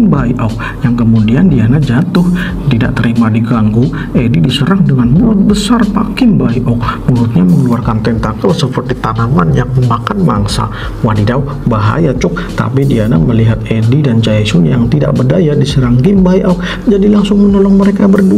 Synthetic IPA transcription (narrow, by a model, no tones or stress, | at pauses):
nbaiʔɔk̚ | jaŋkəmudiandianad͡ʒat̪ʊh | t̪ida̰ʔt̪əɾimadiɡaŋɡu | ʔedidisəɾaŋdəŋanmuɾʊt̪̚bəsarpa̰kɪnbaiʔɔk̚muɾʊt̪̚ɲaməŋəluarkant̪ɛnt̪akəlsəpərt̪it̪anamanjaŋəmbakanma̰ŋsa̰ | wadidaw | baɦa̰jat͡ʃʊk̚t̪a̰pidiana̰məliɦat̪̚edidand͡ʒaisʊnjaŋt̪ida̰ʔbədajadisəɾaŋɡɪmbajʔɔk̚ | d͡ʒadilaŋsʊŋmənolɔŋməɾekabərdu